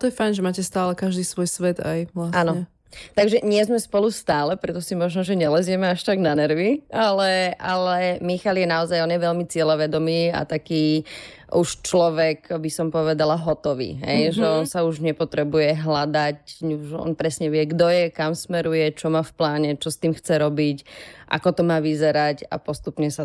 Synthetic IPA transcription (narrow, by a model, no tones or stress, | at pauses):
t̪ɔjɛfajnʒɛmaːcɛst̪aːlɛkaʒd̪iːsʋɔjsʋɛd̪a̰jʋlasanɔɲɛ | t̪aɡʒɛɲɪɛzmɛspɔlust̪aːlɛpɾɛt̪ɔsimɔʒnɔʒɛɲɛlɛzɪjɛmɛaʃt̪aɡnanɛɾʋialɛʔalɛmixaljɛnaɔzajɔnjɛʋɛʎmit͡sɪɛlɔʋɛd̪ɔmiːa̰t̪akiː | uʃt͡ʃlɔʋɛkbisɔmpɔʋɛd̪alaɦɔt̪ɔʋḭːɦɛ̰jʒɛɔnsauʒɲɛpɔt̪ɾɛbujɛɦlad̪acʒɛɔ̰npɾɛsɲɛʋɪɛɡd̪ɔjɛkamsmɛɾujɛt͡ʃɔmaːfplaːɲɛt͡ʃɔst̪iːmxt͡sɛɾɔbicʔa̰kɔt̪ɔmaːʋizɛɾaca̰pɔst̪upɲɛsa